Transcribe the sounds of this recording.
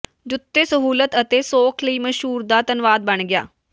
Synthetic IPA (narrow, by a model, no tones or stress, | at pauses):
d͡ʒʊt̪ːeːsəɦuːlət̪ət̪eːsoːkʰləiːməʃɦuːɾd̪aːt̪ənʋaːd̪̚bəɳɡɪja̰ː